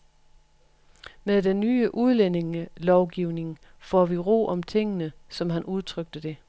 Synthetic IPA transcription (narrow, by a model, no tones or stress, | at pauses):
meðˠd̥enːyːəʔuð̞ˠlene̝ŋəlɒʊɡ̥iʊne̝ŋ | fɒ̰ʋiʁo̝̰ːʔɒ̽mt͡sʰe̝ŋ̰ənəsɒ̽mɦænʔuð̞ˠt͡sʰʁœɡ̥̚d̥əd̥e̝